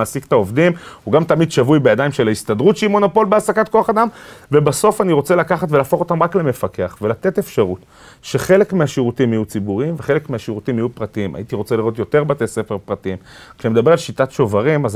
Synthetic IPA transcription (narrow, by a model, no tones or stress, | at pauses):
asikt̪ao̞vd̪imuɡamt̪amid̪ʃavujbejadajmʃelaist̪ad̪ʁutʃeimo̞nopo̞lbeasakat̪̚ko̞aχad̪amve̞baso̞faniʁo̞t͡se̞lakaχat̪velaːfo̞χo̞t̪amʁaklemefake̞aχve̞lat̪e̞t̪e̞fʃaʁut̪ | ʃe̞χe̞le̞kmeaʃiʁutimijut͡sibuʁiimveχe̞lekmeaʃiʁutimijupʁatiima̰jit̪iʁo̞t͡seliʁo̞t̪jo̞te̞ʁbat̪esefeʁpʁat̪iimkʃemed̪abe̞ʁalʃitatʃo̞vaʁimaz